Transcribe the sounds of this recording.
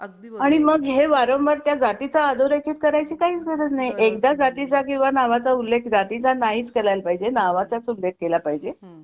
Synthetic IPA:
aɽ̃iməɡɦeʋaɾə̃mʋəɾt̪jad͡zat̪it͡saːd̪ʱoɾekʰit̪̚kəɾajt͡ɕiːkaɦiːt͡sɡʰʱəɾət͡snajʔekd̪ad͡zat̪it͡sak̬ĩw̃ʋanaʋat͡saulːekʰd͡zat̪it͡sanaɦiːt͡skeɾajlpaɦid͡ʑenaʋat͡sat͡sulːek̚ʰkelapaɦid͡ʑe

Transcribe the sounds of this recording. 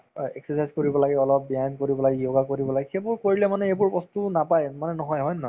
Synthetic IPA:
ɛ̰ksɛsajzkoɹibɔlaɡɛɔlɔp̚bijajnkoɹibɔlaɡɛjoɡakoɹibɔlaɡɛxebʊɹkoɹilɛmanɛebʊɹbɔstunapajmanɛnɔɦɔjɦɔjnnɔ

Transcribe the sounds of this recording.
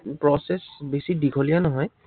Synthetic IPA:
pɹɔsɛsbesidikʰɔlijanɔɦɔj

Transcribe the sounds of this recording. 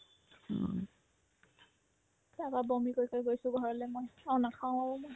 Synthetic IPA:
bababomikojkojɡojsʊɡʱɔɹɔlɛmojaʊnakʰãʊ̃aɹɔmoj

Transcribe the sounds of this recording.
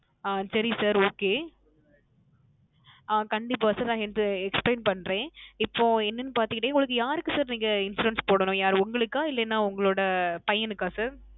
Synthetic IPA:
aːsɐɾisaːɾoːkeː | aːkɐɳɖɪp̬ːaːsaːɾnãːɛnd̪ɯɛkspleːnpɐɳːɾẽːɪpːoːɛnːɯnːɯpaːɾt̪ɪkːɪʈ̬ːẽːʊŋɡɐɭɯkːɯjaːɾɯkːɯsaːɾniːŋɡɐɪnsɾuɛnspoːɽɐnʊ̃jaːɾʊŋɡɐɭɯkːaːɪlːɐnːãːʊŋɡɐɭoːɽɐpɐjɐnɯkːaːsaːɾ

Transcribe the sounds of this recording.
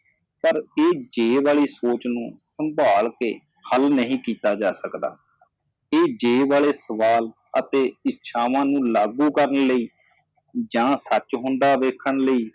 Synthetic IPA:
pəɾeːd͡ʒeːʋaːɭiːsoːt͡ʃnũːsəmbʱaːlkḛː | həlnəɦĩːkiːt̪aːd͡ʒaːsəkd̪a̰ː | eːd͡ʒeːʋaːɭeːsəʋaːl | ət̪eːɪtːʃʰaːʋãːnũːlaːɡuːkəɾənləiː | d͡ʒãːsət͡ʃɦʊ̃nd̪aːʋeːkʰːəɳləiː

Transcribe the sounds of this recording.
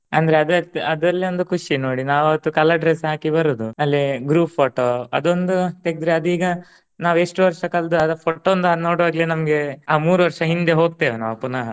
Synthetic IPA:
ɐnd̪ɐɾeɐd̪ɐɐd̪ɐlːiond̪ukʰuʂinoːɽinaːʋɐɐt̪ːukɐlɐɖɾesɦaːkibɐɾuːd̪uɐlːiɡɾuːpʰːoːʈoːɐ̰d̪o̞nd̪ut̪eɡid̪ɾeɐd̪iːɡɐ | naːʋeʂʈuʋɐɾʂɐkɐld̪uɐd̪ɐpʰoʈːond̪uanoːɽʋaːɡlinɐmɐɡe̞aːmuːɾuʋɐɾʂɐɦind̪e̞ɦo̞ːɡ̚t̪eːʋenaʋɐpːunaːɦɐ

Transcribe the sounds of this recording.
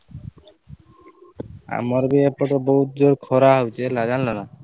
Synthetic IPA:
a̰mɔɾbeepɔʈɔboɦut̪̚d͡ʒoɾkʰɔɾaɦawt͡ʃelad͡ʒanlɔna

